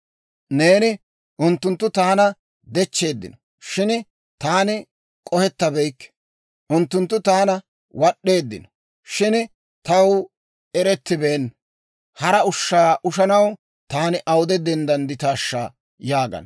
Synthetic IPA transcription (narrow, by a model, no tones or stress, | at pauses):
ne̞ːnɪ | ʔʊnt̪ːʊnt̪ːʊt̪aːnɐ | d̪ɛt͡ʃːe̞ːd̪ːɪ̰nɔ | ʃɪn | t̪aːnɪ | kʼɔhɛt̪ːɐbɛjkːɛ̥ | ʔʊnt̪ːʊnt̪ːʊt̪aːnɐ | wɐɗːe̞ːd̪ːɪ̰nɔ | ʃɪn | t̪ɐw | ɛɾɛt̪ːɪbeːn | hɐɾɐʊʃːaːʔʊʃɐnɐw | t̪aːnɪʔɐwd̪ɛd̪ɛnd̪ɐnd̪ɪt̪aːʃːa̰ | jaːɡɐ̰n